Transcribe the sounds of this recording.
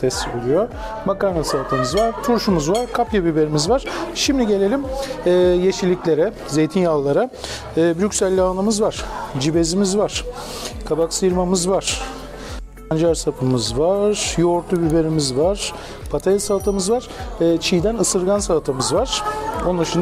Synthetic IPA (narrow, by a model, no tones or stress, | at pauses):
t̪ʰɛst̪ːibulˠujo | makanasalt̪ʰamɯzvaɾ̥t̪ʰuɾʃumuzvaɾkʰapjabibe̞ɾimizvaɾ̥ʃimd̪iɟe̞lʲe̞lʲimː | jeʃilʲiclʲe̞ɾɛ | ze̞jt̪ʰinjalˠːaɾaː | bɾycʲsælʲːanˠamɯzvaɾ̥d͡ʒibe̞zimizvaɾ̥ | kʰabaksɯjɯɾmamɯzvaɾ̥ | and͡ʒaɾsapʰɯmɯzvaɾ̥joɾt̪ʰˠubibe̞ɾimizvaɾ̥ | pʰat̪ʰasalˠt̪ʰamɯzvaɾ̥ɯːt͡ʃʰijd̪ænɯsɯɾɡansalt̪ʰamɯzvaɾ̥onaʃɯn